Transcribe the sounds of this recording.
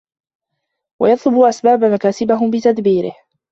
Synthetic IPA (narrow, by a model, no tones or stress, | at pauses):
wa̰jɑt̪ˤlʊbuʔasbaːbamakaːsɪbaɦʊbɪt̪ad̪biːɾɪ̰h